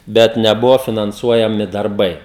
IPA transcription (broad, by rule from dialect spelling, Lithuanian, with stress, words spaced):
ˈbʲɛt nʲɛˈbʊʋoː fʲɪnɐnˈsuɔjɛmʲɪ dɐrˈbɐɪ